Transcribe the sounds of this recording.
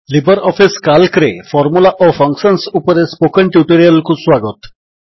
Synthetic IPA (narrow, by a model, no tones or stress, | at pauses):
libəɾɔpʰiskalkɾefʰɔɾmulaʔopʰɔŋksɔnsupɔɾespokəɳʈjuʈoɾialkuswaɡɔt̪